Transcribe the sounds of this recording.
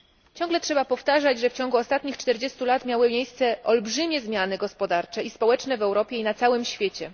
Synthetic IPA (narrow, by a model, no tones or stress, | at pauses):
t͡ɕɔ̃ŋɡlɛtʂɛbapɔft̪aʐad͡ʑʐɛft͡ɕɔ̃ŋɡuɔst̪at̪ɲixt͡ʂt̪ɛɾd͡ʑest̪ulat̪mʲjawɘmʲjejst̪sɛɔlbʐɘmʲjɛzmʲjanɘɡɔspɔd̪aɾt͡ʂɛispɔwɛt͡ʂnɛvɛwɾɔpʲjɛinat̪sawɘmɕfʲjet͡ɕɛ